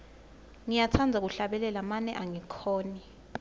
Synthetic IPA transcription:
ŋijat͡sʰand͡zʱak̬uɬaɓɛlɛlamanɛʔaŋikʰɔːni

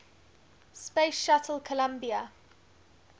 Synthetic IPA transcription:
spesʃatʰəl̩ˠkʰəlãmbiə

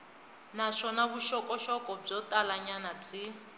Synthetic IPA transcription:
naʂɔnaβuʃɔkɔʃɔkʼɔb͡ʐɔtalaɲanab͡ʐi

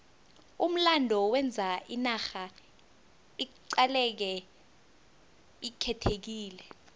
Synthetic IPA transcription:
um̩landʱɔwɛnd͡zʱaʔinaxa | iǀalɛk̬ɛ | ikʰɛtʰek̬iːlɛ

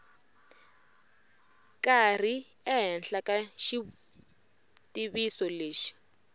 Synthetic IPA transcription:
kar̤i | ɛɦɛnɬakaʃi | tʼiβisɔleːʃi̥

